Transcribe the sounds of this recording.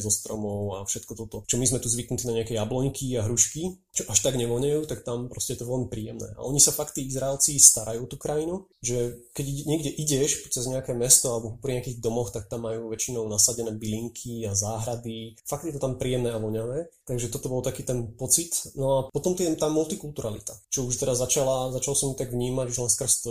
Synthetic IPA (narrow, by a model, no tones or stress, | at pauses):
zɔst̪ɾɔmɔʊafʃɛt̪kɔt̪ɔt̪ɔt͡ʃɔmizmɛt̪uzʋiknut̪inaɲɛakɛjablɔɲkʰiaɦɾuʃki | t͡ʃɔʔaʃt̪aɡɲɛʋɔɲɛjuːt̪akt̪ampɾɔscɛjɛt̪ɔʋɛlmipɾiːɛmnɛ̰ːʔa̰ʔɔɲisafakt̪ːiːizɾaɛlt͡sist̪aɾajuːt̪ukɾajinu | ʒɛkɛɟɲɪɛɡɟɛʔiɟɛʃpɔt͡sɛzɲɛakɛːmɛst̪ɔalɛbɔpɾiɲɛakiːɣd̪ɔmɔxt̪ak̚t̪amːajuːʋɛt͡ʃinɔʊnasaɟɛnɛːbiliŋkʰiazaːɦɾad̪ifak̪̚jɛt̪ɔt̪ampɾiːjɛmnɛːaʋɔɲaʋɛːt̪aɡʒɛt̪ɔt̪ɔbɔlˠt̪akiːt̪ɛnpɔt͡sit̪nɔapɔt̪ɔmt̪ɛt̪aːmult̪ikult̪uɾalḭt̪at͡ʃɔuʃt̪ɛdazat͡ʃalazat͡ʃalɔsɔmjut̪aɡʋɲiːmaɟuʒlɛnskr̩st̪ɔ